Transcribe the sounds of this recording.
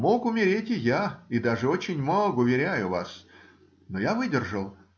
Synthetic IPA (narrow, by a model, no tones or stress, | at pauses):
mo̞kʊmʲɪɾʲetʲɪjaɪd̪aʐɨo̞t͡ɕɪnʲmoɡʊvʲɪɾʲæjʊvas | nojavɨdʲɪrʐəlˠ